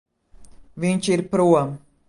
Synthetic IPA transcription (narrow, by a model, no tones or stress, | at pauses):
viɲt͡ʃiɾpɾuɔm